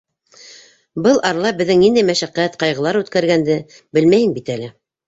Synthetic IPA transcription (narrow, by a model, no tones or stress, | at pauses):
bɤlˠʔɑɾlˠɑbɘ̆ðːɘŋnind̪æjmæʃæqæt̪qɑjʁɤ̆lˠɑɾʉt̪kæɾɡænd̪ɘ | bɘlmæjɘŋbit̪ælɘ